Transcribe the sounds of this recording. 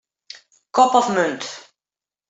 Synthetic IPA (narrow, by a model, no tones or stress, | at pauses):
kɔpɔfmønt